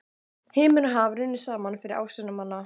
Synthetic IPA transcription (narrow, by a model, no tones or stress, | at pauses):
hɪːmʏɾaɦavɾɪnːɪsaːmanfɪɾɪɾʔa̰ːwsɛnamanːa